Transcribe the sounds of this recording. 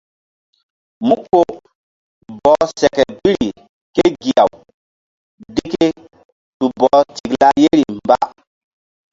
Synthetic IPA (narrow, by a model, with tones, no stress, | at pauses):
mu˦kːo˦ | bɔ˨sɛ˨kɛ˨bi˦ɾi˨ | ke˦ɡi˨a˨w | di˦ke˦ | tu˨bɔ˨˦ti˨kla˦je˦ɾi˨mba̰˦